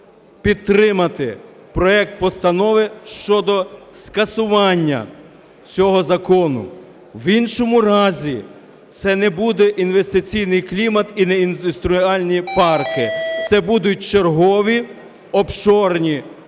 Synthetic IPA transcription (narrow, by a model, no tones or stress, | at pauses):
pʲid̪̚ɾɪmɐt̪ɪ | pɾɔɛk̚t̪̚pɔst̪ɐnɔʋɪʃt͡ʃɔd̪ɔskɐsʊʋɑnʲːɐ̰ | t͡sʲɔɦɔzɐkɔnʊ̰ | winʃɔmʊɾɑzʲi | t̪sɛnɛbud̪ɛʔinʋest̪ɪt͡sʲijnɪjklʲimɐt̪inɛind̪ʊst̪ɾʊɑlʲnʲipɑrkɪt̪sɛbud̪ʊt̚ʲt͡ʃerɦɔʋʲi | ɔpʃɔrnʲi